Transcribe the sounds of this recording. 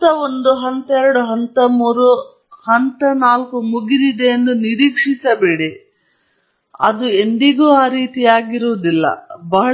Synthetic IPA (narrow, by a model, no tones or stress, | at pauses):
ɐo̞nd̪uɦɐnt̪ɐɛɾɐɽuɦɐnt̪ɐmuːɾu | hɐnt̪ɐnaːlkumuɡiɾid̪e̞ːnd̪uniɾiːkʂisɐbeːɽi | ɐ̰d̪ue̞nd̪iɡuːaːɾiːt̪ijaːɡiɾuʋɐd̪ilːɐ̰bɐɦɐ